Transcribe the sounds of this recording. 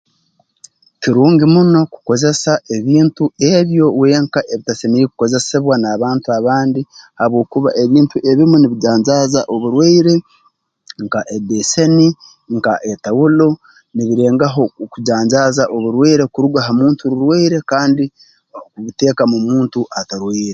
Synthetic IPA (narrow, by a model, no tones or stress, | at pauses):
tiɾuːŋɡimuno̞ku̥ko̞ze̞saʔe̞βiːntue̞βjo̞we̞ːŋkaʔe̞βitaseniɾikuko̞ze̞se̞βwanaːβaːntuaβaːndihaβwo̞ːkuβa̰ʔe̞βiːntuʔe̞βimuniβiɟaːɲzaːzaʔo̞βuɾweiɾe̞ | ŋkaʔedese̞ni | ŋkaʔe̞tawulo̞ | niβiɾe̞ːŋɡaɦo̞kuɟaːɲɟaːzaʔo̞βuɾweːɾe̞kuɾuɡaɦamuːntuɾuɾweːɾe̞kaːndi | kuβite̞ːkamumuːntuʔataɾweːɾe